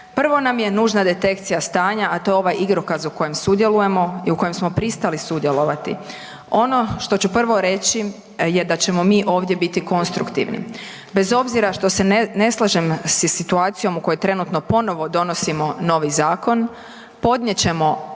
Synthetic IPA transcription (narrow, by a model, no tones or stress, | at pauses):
pr̩ʋo̞namje̞nuːʒnad̪e̞t̪e̞kt̪sijast̪aːɲaat̪o̞jeoʋajiɡɾokazuko̞jemsud̪je̞luje̞mo̞iuko̞jemsmo̞pɾist̪alisud̪je̞lˠo̞ʋat̪ḭ | o̞no̞ʃt̪o̞t͡ɕupr̩ʋo̞ɾe̞t͡ɕi | je̞d̪at͡ɕe̞mo̞miːʔo̞ːʋd̪je̞bit̪iko̞nst̪ɾukt̪ḭʋnḭ | be̞zo̞bziɾaʃt̪ose̞ne̞slˠaʒemssit̪uaːt̪sijo̞muko̞jet̪ɾe̞nut̪no̞po̞no̞ʋo̞d̪o̞no̞simo̞no̞ʋizaːko̞n | po̞d̪nɲjet͡ɕe̞mo̞